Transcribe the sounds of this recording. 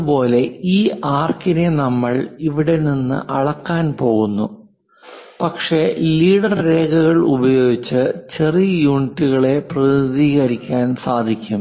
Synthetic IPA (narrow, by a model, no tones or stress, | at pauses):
ɐbo̞ːle̞iːaːrkine̞nɐmːɐɭiʋiɽe̞ninːɨ̰ʔɐɽɐkːaːnpo̞ːɣunːṵ | pɐkʂe̞liːɽɐrːe̞ːɡɐɣɐɭṵbɐjo̞ːɡit͡ɕːɨt͡ɕe̞riɐjuːnitːuɣɐɭe̞prɐid̪iːɣɐɾikʲːaːnsaːd̪ʱikʲːum